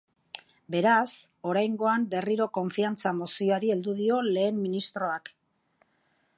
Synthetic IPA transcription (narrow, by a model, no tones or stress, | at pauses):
be̞ɾas | o̞ɾajŋɡo̞ambe̞riɾo̞ko̞ɱfiant͡samosioaɾie̞ld̪uðio̞le̞ːmːinist̪ɾo̞ak